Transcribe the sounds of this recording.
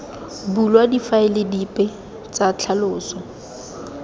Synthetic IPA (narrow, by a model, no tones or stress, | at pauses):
bulwadifaɪlɪdipʼɪ | t͡sat͡ɬʰalʊːsɔ